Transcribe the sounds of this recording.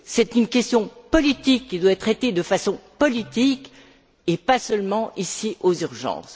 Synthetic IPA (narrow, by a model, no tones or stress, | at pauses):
sɛt̪ynkʲɛst̪jɔ̃pɔlit̪ikːid̪waɛt̪χet̪ed̪əfasɔ̃pɔlit̪ik | epasœlmɑ̃ʔisiʔozyʁʒɑ̰̃ːs